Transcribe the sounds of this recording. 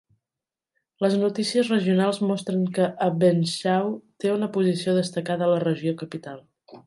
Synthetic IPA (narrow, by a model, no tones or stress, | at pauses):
ləznut̪isiəzrəʒiunalˠzmɔst̪ɾəŋkəʔːbenʃawt̪eunəpuzisioðəst̪əkaðəːlərəʒiokəpit̪alˠ